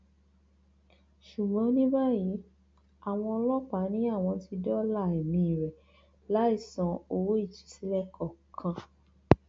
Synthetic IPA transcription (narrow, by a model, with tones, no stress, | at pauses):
ʃu˨ɡ͡bɔ̃˨˦nĩ˦ba˦ji˨˦ | a˨w̃ɔ̃˧ɔ˧lɔ˦k͡pa˨˦nĩ˨˦a˦˨w̃ɔ̃˧ti˧dɔ˦la˦˨ɛ˨mĩ˧˨i˨ɾɛ˨ | la˨˦i˦˨sɔ̃˨o˧wo˦i˦˨t͡ʃi̥˨˦si˨˦lɛ˦˨kʰɔ˨kʰã˧